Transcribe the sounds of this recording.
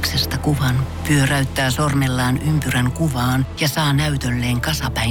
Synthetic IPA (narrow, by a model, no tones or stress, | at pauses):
ksest̪ɑkuʋɑnpyøræyt̪ːæːsormelːɑːnʔympyræŋkuʋɑːnjɑsɑːnæyt̪ølːeːŋkɑsɑpæi